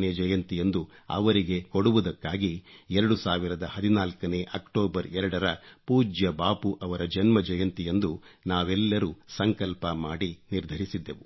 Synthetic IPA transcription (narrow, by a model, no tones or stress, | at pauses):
ned͡ʒɐjɐnt̪ije̞nd̪uɐ̰ʋɐɾiɡe̞koɽuʋud̪ɐkːaːɡiɛɾɐɽusaːʋiɾɐd̪ɐhɐd̪inaːlkɐne̞ʔɐkʈoːbɐɾɛɾɐɽɐɾɐpuːd͡ʒjɐbaːpuʔɐʋɐɾɐd͡ʒɐnmɐd͡ʒɐjɐnt̪ije̞nd̪unaːʋɛlːɐɾusɐŋkɐlpɐmaːɽiniɾd̪ʱɐɾisid̪ːe̞ʋu